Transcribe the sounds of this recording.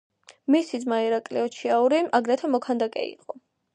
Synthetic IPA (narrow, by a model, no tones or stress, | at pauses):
misizmaiɾakʼliɔt͡ʃʰiauɾiʔaɡɾɛt̪ʰamɔkʰand̪akʼɛ̰ḭqʼɔ